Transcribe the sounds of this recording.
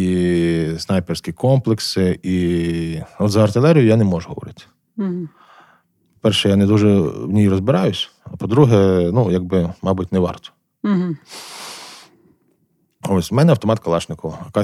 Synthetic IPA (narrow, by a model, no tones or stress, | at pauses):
isnɑjpersʲkʲikɔmplˠeksɪi | ɔt̪zɐɐrt̪ɪlˠɛɾʲijʊjanɛmɔʒʊɦɔ̰ʋɔ̰ɾɪt̪ɪ̥ | pɔ̥pɛɾʃɛjanɛd̪uʒɛwnʲijɾɔzbɪɾɑjʊsʲ | ɐpɔd̪ɾuɦɛnujaɡ̚bɪmɑbutʲnɛʋɑ̰rt̪ɔ̥ | ɦ̩ | osʲmɛnɛɐwt̪ɔmɑt̪kɐlˠɑʃnɪkɔʋɐɐkɑ